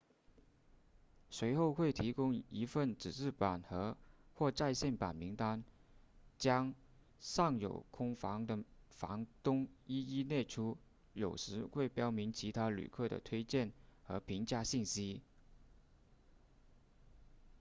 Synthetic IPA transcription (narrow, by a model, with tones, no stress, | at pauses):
swe˧˥ɪxo˥˧ʊxwe˥˩ɪt̪ʰi˧˥kʊ˥ŋi˧˥fə˥˩nʈ͡ʂɻ̩˨˩ʈ͡ʂɻ̩˥˩pa˨˩nxɤ˧˥xwɔ˥˧ʈ͡ʂa˥˧ɪɕjɛ˥˩npa̰˨˩nmi˧˥ŋt̪a˥n | t͡ɕjɑ˥ŋ | ʂɑ˥˩ŋjo̰˨˩ʊkʰʊ˥ŋfɑ˧˥ŋd̪ə˨fɑ̰˧˥ŋt̪ʊ˥ŋi˥i˥nɛ˥˩ʈ͡ʂʰu˥ | jo˨˩ʊʂɻ̩˧˥xwe˥˩ɪpjɑ˥ʊmi˧˥nt͡ɕʰi˧˥t̪ʰa˥ly̰˨˩kʰɤ˥˩d̪ə̰˩t̪ʰwe˥ɪt͡ɕjɛ˥˩nxɤ˧˥pʰi˧˥ŋt͡ɕja˥˧ɕi˥˩nɕi˥